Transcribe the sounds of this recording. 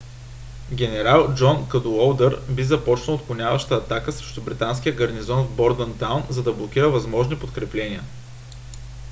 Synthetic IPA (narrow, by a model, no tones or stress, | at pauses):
ɡʲɛnɛɾalˠd͡ʒɔnkɐd̪uɔlˠd̪əɾbizɐpɔt͡ʃnəlˠot̪kʊnʲavəʃt̪əːt̪akəsɾɛʃt̪ʊbɾit̪ans̬k̟ijəɡɐɾnizɔnvbɔɾd̪ənt̪awnzɐd̪ɐblˠok̟ʲiɾəvɐzmɔʒnipot̪kɾɛplɛnʲiə